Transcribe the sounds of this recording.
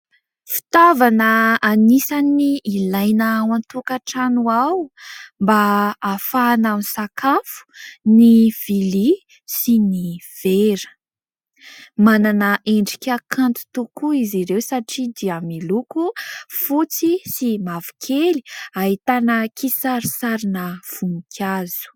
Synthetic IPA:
fi̥t̪avanəːnisaniːlajnəwant̪ukaʈ͡ʂanuawmbaːfanamsakafu̥niv̥ili | siniv̥eɾə̥ | mananəʔeɳɖ͡ʐikʲakʰant̪u̥t̪ukuiziɾewsaʈ͡ʂid̪iamilukufut͡sisimavi̥kʰeliaɦit̪anəkisaɾisaɾinəv̥umikʲʰazu̥

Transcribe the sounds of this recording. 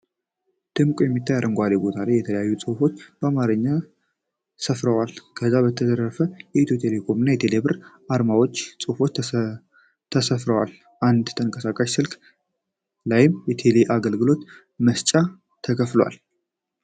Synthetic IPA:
d̪̥ɨmkʼojɛmːit̪ʰːajaɾənɡʷalebo̞t̪ʰalajːɛt̪ʰələjajːusʼufo̞t͡ʃːb̥əamaɾɨɲːa | səfɾəwalkʰəzːaβət̪ʰəd̪əɾəɾfəjɛʔit̪ʰut̪ʰe̞le̞kʰo̞mɨnːajɛt̪ʰe̞lebɨɾʔaɾmawot͡ʃːsʼufo̞t͡ʃː | t̪ʰəsəfɾəwal | ʔand̪t̪ʰəŋkʼəsakʼaʃsɨlkʼ | lajɪmjɛt̪ʰe̞leʔaɡəlɡɨlo̞t̪ | məst͡ʃʼa | t̪ʰəkʰəfləwa̰l

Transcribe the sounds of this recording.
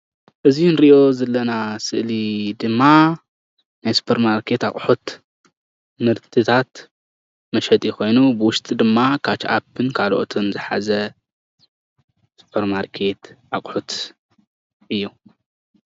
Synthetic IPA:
ʔɨzinɾiʔjʔo̞zɐlːɐnasɨʔlid̪ɨmːa | najsu̥pʰɐɾmaɾkʰe̞t̪a̰χʼħut̪ | mɨɾt̪ʰɨt̪ʰat̪ | mɐʃɐt̪ʼjixo̞jnubɨwʊʃt̪ʼid̪ɨmːakʰat͡ʃʰʔapʰːɨnkʰaloʔot̪ʰonzɨħa̰zɐ | su̥pʰɐɾmaɾkʰe̞t̪ʔa̰kʼħut̪ | ʔɨjːu

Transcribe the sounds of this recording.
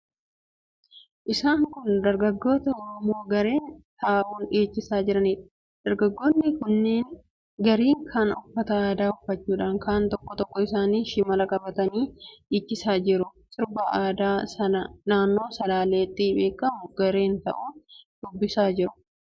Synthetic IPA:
ʔɪsaːŋkʊnd̪ɐɾɡɐɡːo̞ːt̪ɐɔɾɔmo̞ːɡɐɾe̞ːnt̪aːʔuːnᶑeːt͡ʃːɪsaːd͡ʒɪɾɐniːᶑɐ̥ | d̪̥ɐɾɡɐɡːoːnːɪkʊnːeːŋ | ɡɐɾiːŋkʰɐnʊfːɐt̪ɐaːd̪aːʊfɐt͡ʃːuːᶑaːŋkʰaːnt̪ɔkːɔt̪ɔkːɔɪsaːniːʃɪmɐlɐkʼɐbɐt̪ɐniːᶑiːt͡ʃːɪsaːd͡ʒɪɾʊt̪ʊɾbɐaːd̪aːsɐnɐnaːnːo̞ːsɐlaːle̞ːt̪ːɪbe̞ːkʼːɐmʊɡɐɾe̞ːnt̪ɐ̰ʔuːnd̪̥ʊbːɪsaːd͡ʒɪɾʊ̥

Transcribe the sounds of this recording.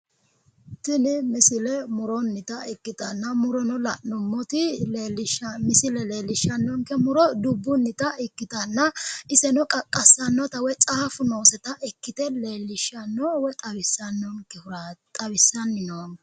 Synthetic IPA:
t̪ɪnɪmɪsɪlɛmʊɾɔnːɪt̪ɐɪkːɪt̪ɐnːɐmʊɾɔnɔlɐʔnɔmːɔt̪ɪelɪʃmɪsɪlɛle̞ːlːɪʃːɐnːɔŋkɛmʊɾɔd̪ʊbːʊnːɪt̪ɐɪkːɪt̪ɐnːɐɪsɛnɔkʼɐkʼːɐsːɐnːɔt̪ɐwɛt͡sʼaːfʊno̞ːsɛt̪ɐʔɪkːɪt̪ɛleːlːɪʃɐnːɔwɛt̪ʼɐwɪsːɐnːɔŋkɛʊɾt̪ʼɐwɪsːɐnːɪnoːn

